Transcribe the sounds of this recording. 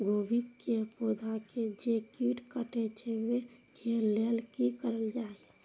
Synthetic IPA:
ɡoːbikkːepod̪ʱaked͡ʒekiʈkəʈet͡ʃewekʰelelkikəɾəld͡ʒaːe

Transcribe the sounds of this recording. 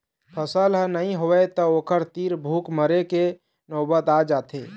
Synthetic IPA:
pʰəsəlɦnəɦĩɦoɛt̪ɔokəɾt̪iɾbʱuːkməɾeke | nobət̪ad͡ʒat̪ʰe

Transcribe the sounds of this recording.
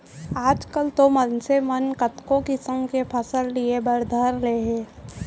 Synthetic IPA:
aːd͡ʒkəlt̪omənsemənkət̪kõkɪsə̃mkepʰəsəlːiebəɾd̪ʱaːɾleɦɛː

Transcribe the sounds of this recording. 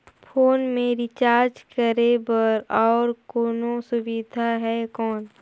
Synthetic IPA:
pʰoːnmẽɾɪt͡ʃaːɾd͡ʒkəɾebəɾɔːɾkoːnosʊʋɪd̪ʱaɦɛkɔːn

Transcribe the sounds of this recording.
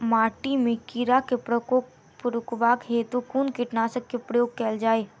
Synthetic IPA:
maːʈimẽkiɾakepɾəkoːk | pʊɾʊkbaːkɦeːt̪ukuːnkiʈnaːsəkːepɾəjoːɡ̚kɛːld͡ʒaːeː

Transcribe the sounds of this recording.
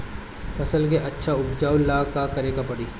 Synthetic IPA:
fʰɐsəlk̬eʔɐtːʃʰaʊpd͡ʒaːwlaːkakɐɾeːɡapɐɽiː

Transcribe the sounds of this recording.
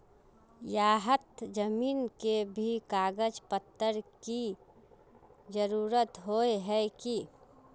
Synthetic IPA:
jaːɦət̪d͡ʒəmiːnkebʱikaːɡəd͡ʒpət̪ːəɾki | d͡ʒəɾuːɾət̪ɦoeɦɛki

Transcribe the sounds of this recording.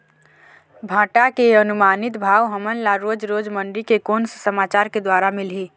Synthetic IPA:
bʱãːʈakeənumaːnɪt̪bʱaːʋɦəmənlaɾod͡ʒɾod͡ʒməɳɖɾikekoːnssəmaːt͡ʃaːɾked̪waːɾamɪlɦiː

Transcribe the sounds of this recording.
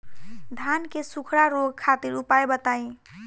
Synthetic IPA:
d̪ʱankesukʰɾaɾoɡkʰat̪iɾupajbət̪aĩ

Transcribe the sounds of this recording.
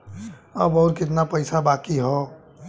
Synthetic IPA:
əbɔːɾkɪt̪napəɪsabaːkiɦɔ

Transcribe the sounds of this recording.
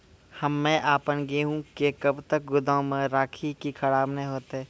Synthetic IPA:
hɐmːɛ̃ːʔaːpənɡeɦũkekɐbt̪ək̚ɡʊd̪ãmẽɾaːkʰikikʰɐɽaːbnẽɦoːt̪eɦɛ̃ː

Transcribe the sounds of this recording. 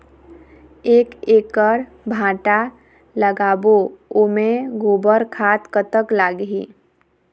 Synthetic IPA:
eːkeːkəɾ | bʱãːʈa | ləɡaːboomẽɡoːbəɾkʰat̪kət̪əklaːɡɦḭː

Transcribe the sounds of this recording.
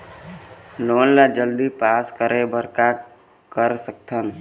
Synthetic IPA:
loːnlad͡ʒəld̪ipaːskəɾebʱəɾka | kəɾsək̚t̪ʰən

